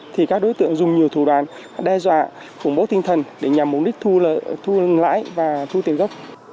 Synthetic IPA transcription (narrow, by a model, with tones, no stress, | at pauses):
t̪ʰi˨˩kaː˦˥k̚ɗo˨˦jt̪ɨ̰˧əŋzʊ˨˩ŋ͡mɲi˨˩əwt̪ʰu˧˩ɗwaː˨˩n | ɗɛ˧zwa̰ː˧˨ | xʊ̰˧˩ŋ͡mɓo˨˦t̪ï˧ŋ̟t̪ʰə˨˩nɗe˧˩ɲa˨˩mːʊ˨˩k͡p̚ɗi˦˥k̟̚t̪ʰt̪ʰu˧la̰ː˧˥jvaː˨˩t̪ʰu˧t̪i˨˩ənɣə˦˥wk͡p̚